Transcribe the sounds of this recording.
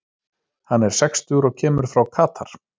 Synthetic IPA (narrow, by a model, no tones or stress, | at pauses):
hanːɛɾ̥sɛkst̪ʏɣɾɔɣcʰɛːmʏɾ̥fɾawkʰaːt̪ʰaɾ̥